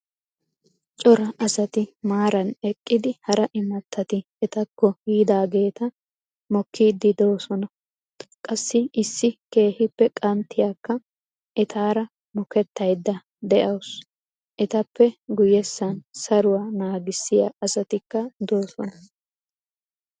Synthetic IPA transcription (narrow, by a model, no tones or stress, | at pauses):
t͡ʃʼɔɾɐʔɐsɐt̪ɪmaːɾɐnɛkʼːɪd̪ɪhɐɾɐʔɪmɐt̪ʰːɐt̪ɪ | ɛt̪ɐkːɔhiːd̪aːɡe̞ːt̪ɐ | mɔkʰːiːd̪ːɪd̪o̞ːsɔnɐ | kʼɐsːɪɪsːɪke̞ːhɪpːɛkʼɐnt̪ːɪjaːkːɐ | ʔɛt̪ʰaːɾɐ | mɔkɛt̪ːɐjd̪ːɐ | d̪ɛʔɐws | ʔɛt̪ɐpːɛɡʊjɛsːɐnsɐɾʊwaːnaːɡɪsːɪjaɐsɐt̪ɪkːɐd̪o̞ːsɔnɐ